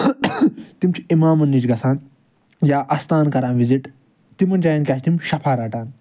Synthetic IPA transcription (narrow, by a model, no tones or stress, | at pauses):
t̪imt͡ʃʰiimaːmɐnːit͡ʃɡɐsʰaːn | jaːʔɐst̪ʰaːnkɐɾaːnʋiziʈ | t̪imɐnd͡ʒaːjɐnkʲaːt͡ʃʰt̪imʃɐpʰaːɾaʈaːn